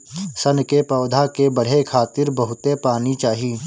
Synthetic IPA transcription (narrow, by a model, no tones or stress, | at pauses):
sənkepɔːd̪ʱakebəɽ̤ekʰaːt̪ɪɾbəɦʊt̪epaːnit͡ʃaːɦiː